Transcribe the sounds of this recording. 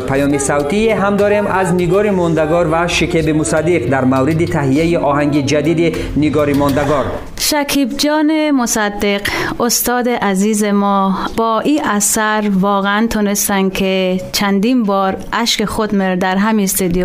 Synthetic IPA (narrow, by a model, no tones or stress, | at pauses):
pʰajɔmisawt̪ieɦamd̪ɔɾemazniɡɔɾimɔnd̪aɡɔɾvaʃikʰebimusad̪ːiqd̪aɾmavɾid̪it̪ʰaɦijaiʔɔːhaŋɡid͡ʒad̪id̪i | niɡɔɾimɔnd̪aɡɔɾ | ʃækʰibd͡ʒɒːnemosad̪ːeqost̪ɒːd̪eʔæziːzemɔːbɒːʔiʔæsæɾvɒːɣeænt̪ʰuːnest̪ænkʰet͡ʃʰænd̪imbɒːɾʔæʃkeχod̪meɾd̪æɾɦæminst̪ed̪ijo